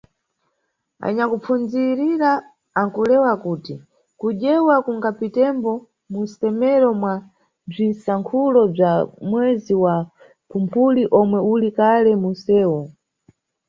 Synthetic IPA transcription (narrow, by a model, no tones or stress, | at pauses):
a̰ɲakup͡fund͡ziɾiɾaː | ŋkulɛwakuti | kuʄɛwakuŋɡapitɛmbɔ | musɛmɛɾɔmwa | b͡ʐinsaŋkʰulɔb͡ʐamwɛziwa | pʰumpʰuliʔɔmwɛulikalɛmusɛːwɔ